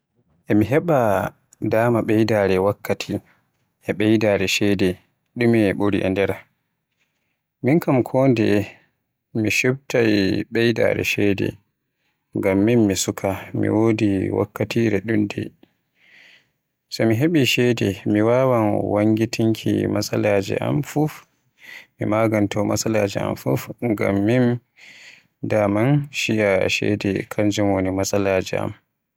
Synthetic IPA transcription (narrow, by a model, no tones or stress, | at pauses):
ʔɛmiɦɛɓa | daːmaɓɛjdaɾɛwakːatʰi | ʔɛɓɛjdaɾɛʃɛdɛ | ɗumiɛɓoɾḭʔa̰ndɛɾa | minkamkʰɔːndɛ̰ | miʃub̚tajɓɛjda̰ɾɛ̰ʃɛdɛ̰ | ŋɡamːinmisukʰamḭwodiwa̰kːatiːɾɛɗundɛ | sɔmiɦeɓiʃɛdɛmiwaːwanwaŋɡitʰiŋkʰḭmasalaːd͡ʒɛ̰ʔamfuf | mḭmaɡantʰɔma̰salaːd͡ʒɛa̰mfufŋɡa̰mːin | damanʃijaʃɛ̰dɛ̰kʰand͡ʒumonimasalad͡ʒɛ̰ʔa̰m